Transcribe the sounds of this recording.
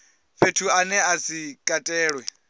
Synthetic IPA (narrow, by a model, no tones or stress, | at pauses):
ɸetʰuanɛasikʼatʼɛːɺwɛ